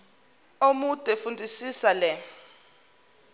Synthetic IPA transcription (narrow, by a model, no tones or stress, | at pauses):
omud̥ʼʱɛfundʱisisalɛ